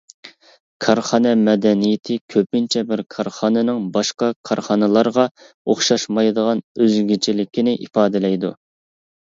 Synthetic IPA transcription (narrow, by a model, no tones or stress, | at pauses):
kʰɑɾχɑːnɛmɛd̪ɛnijɪt̪ʰɪkʲʰøpynt͡ʃʰɛbɪɾkʰɑɾχɑːnɛnɪŋbɑʃqɑkʰɑɾχɑːnɨlˠɑɾʁɑ | oχʃɑʃmɑjd̪əʁɑnøzɡʲit͡ʃʰilɪkʲʰinɪʔipɑːd̪ɪlɛjd̪u